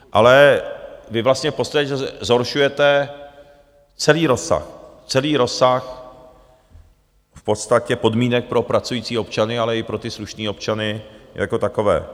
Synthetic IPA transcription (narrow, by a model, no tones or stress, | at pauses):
ʔa̰lɛ | vɪvlast̪ɲɛfpost̪aɛcɛzɦo̞ɾʃujɛt̪ɛ | t͡sɛliːɾo̞sa̰x | t͡sɛliːɾo̞sax | fpo̞t̪st̪acɛpo̞dmiːnɛk̚pɾo̞pɾat͡sujiːt͡siːo̞pt͡ʃanɪalɛɪpɾo̞t̪ɪsluʃniːo̞pt͡ʃanɪja̰ko̞t̪ako̞vɛ̰ː